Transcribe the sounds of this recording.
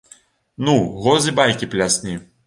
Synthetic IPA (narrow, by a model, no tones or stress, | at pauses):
nuɣɔzɨbajkʲiplʲasnɨ